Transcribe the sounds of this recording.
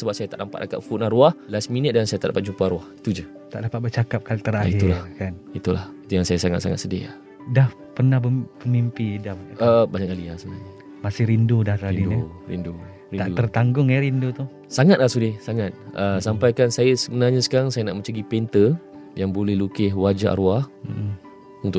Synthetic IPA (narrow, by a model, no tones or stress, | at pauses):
səbap̚sajət̪aʔnampa̰t̪̚aka̰t̪̚fuʔ̚naɾuahlasminət̪̚dansajat̪a̰ʔdapat̪̚d͡ʒupaɾuahit̪ud͡ʒə | t̪aʔdapat̪̚bərt͡ʃakap̚kalit̪əɾait̪ulakanit̪ula̰hit̪ujaŋsajasaŋa̰t̪saŋa̰t̪sədɪ̰a̰ | dah | pərnahbəpəmimpidamʔəbaɲaʔkaliasəbənaɲə | masɪhɾindudahkaiiduɾḭndu | ɾit̪aʔdut̪ərt̪aŋɡʊŋeɾindut̪u | saŋat̪̚lahsudɪhsaŋat̪̚əsampajkansajasəbənaɲasə̥kaɾaŋsajanaʔmə̃ɲt͡ʃəɡipent̪ə | jaŋbolɛhlukɪɦwad͡ʒaʔa̰ɾuah | unt̪ʊ